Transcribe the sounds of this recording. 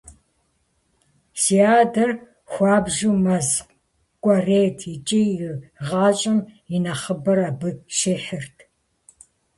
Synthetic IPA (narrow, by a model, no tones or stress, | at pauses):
siaːdɐr | xʷɑːbʒuːmɐzq | kʷʼɔreːtʰit͡ʃʼijɪʁɑːt͡ʃʼɪmjinɐχəbɐɾaːbɨʃeːħɪrtʰ